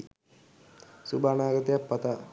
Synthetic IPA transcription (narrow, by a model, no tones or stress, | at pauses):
subʱaːnaːɡɐt̪jɐpːɐt̪ɐ